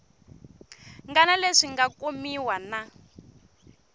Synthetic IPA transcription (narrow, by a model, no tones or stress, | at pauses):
ŋɡanaleʂiŋɡakumiwana